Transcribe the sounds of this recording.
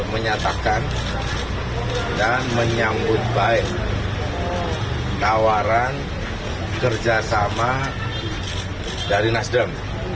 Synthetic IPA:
məɲat̪akan | danməɲambʊt̪̚baɛʔ | t̪awaɾan | kərd͡ʒasama | daɾinasdəm

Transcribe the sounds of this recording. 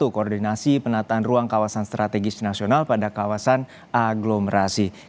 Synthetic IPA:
ukoːrdinasipənat̪aːnruaŋkawasanst̪ɾat̪ɛɡɪsnasionalpadakawasan | aɡloməɾasi

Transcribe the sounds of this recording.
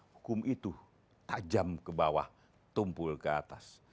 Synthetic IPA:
hukʊmit̪u | t̪ad͡ʒamkəbawa̰h | t̪umpʊlkəat̪as

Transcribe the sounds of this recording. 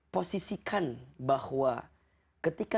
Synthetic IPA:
posisikʰanbahwa | kət̪ika

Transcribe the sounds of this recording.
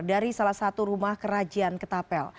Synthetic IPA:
daɾisalahsat̪uɾumahkəɾad͡ʒiankət̪apɛl

